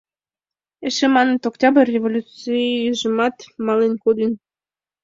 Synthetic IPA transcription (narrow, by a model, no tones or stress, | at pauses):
eʃemɑnə̆t̪oktʲɑbərʲːevolʲut͡sijyʒə̆mɑt̪mɑlenkod̪ən